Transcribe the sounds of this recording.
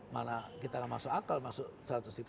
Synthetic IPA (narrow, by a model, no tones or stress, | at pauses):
manakit̪aŋamasʊʔakalmaksʊʔsɾat̪usip